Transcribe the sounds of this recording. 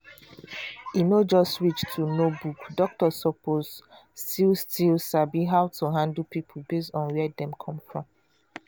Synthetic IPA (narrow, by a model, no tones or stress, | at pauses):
inod͡ʒɔstɹit͡ʃtʰunobukdɔk̚tɔsɔpozstilstʰilsabiɦaʊtuɦãndəl̩ˠpipʰulbestɔ̃nwɛdɛ̃mkʰɔ̃mfɹɔ̃m